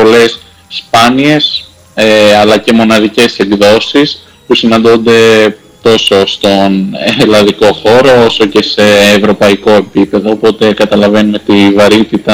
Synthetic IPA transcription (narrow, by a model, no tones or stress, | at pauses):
po̞le̞s | spɐnie̞s | eɐlɐce̞mo̞nɐðice̞se̞ɡðo̞sis | pusinɐ̃nd̪ond̪e̞ | t̪o̞so̞st̪o̞nelɐðiko̞xo̞ɾo̞oso̞ce̞se̞ːvɾo̞pɐiko̞e̞pipe̞ðo̞ːpo̞t̪e̞kɐt̪ɐlɐve̞numet̪ivɐɾit̪it̪ɐ